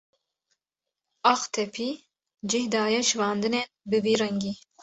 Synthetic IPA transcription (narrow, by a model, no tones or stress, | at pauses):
ɑxt̪ʰɛpʰiː | d͡ʒihd̪ɑːjɛʃvɑːnd̪ɨneːnbɨviːɾɛŋɡi